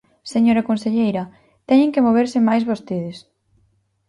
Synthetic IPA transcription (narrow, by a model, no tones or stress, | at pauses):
seɲoɾɐkonseʎejɾɐ | t̪ɛɲẽŋkemoβ̞eɾsɪmajzβost̪eðɪs